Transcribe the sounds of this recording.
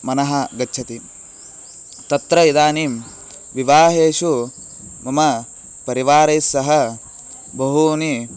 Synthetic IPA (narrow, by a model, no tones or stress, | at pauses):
mɐnɐɦɐɡɐtːt͡ʃʰɐt̪i | t̪ɐt̪ɾɐid̪aːniːm | ʋiʋaːɦeːʃu | mɐmɐ | pɐɾiʋaːɾɐjsːɐɦɐ | bɐɦuni